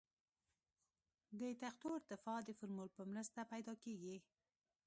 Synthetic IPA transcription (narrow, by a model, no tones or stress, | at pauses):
d̪ət̪axt̪oɪɾt̪ɪfɑd̪əfʊɾmulpəmɾast̪apajd̪ɑkeɡi